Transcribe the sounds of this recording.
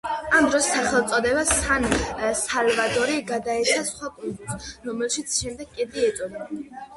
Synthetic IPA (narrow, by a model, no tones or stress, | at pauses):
amd̪ɾɔsːaχɛlˠt̪sʼɔd̪ɛbasansalvad̪ʼɔɾiɡad̪aɛt͡ʃʰasχwakʼukʼusɾɔmɛlˠʃit̪sʰʃɛmd̪ɛɡ̚kʼɛd̪ʼiɛt̪sʼɔd̪a